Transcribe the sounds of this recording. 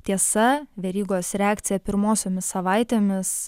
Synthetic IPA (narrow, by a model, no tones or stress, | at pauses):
t̪ʲiɛsɐʋʲɛɾʲiːɡoːsɾʲɛæːkt̪sʲɪjɛpʲɪɾmoːsʲoːmʲɪssɐʋɑˑɪt̪ʲeːmʲɪs